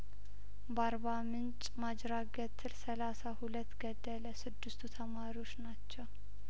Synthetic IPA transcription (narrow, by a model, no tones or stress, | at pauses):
baɾbamɨnt͡ʃʼmad͡ʒɾaɡət̪ʰːɨlsəlasahulət̪ːɡəd̪ːələsɨd̪ːɨst̪ʰut̪ʰəmaɾiwo̞t͡ʃːnat͡ʃːɛw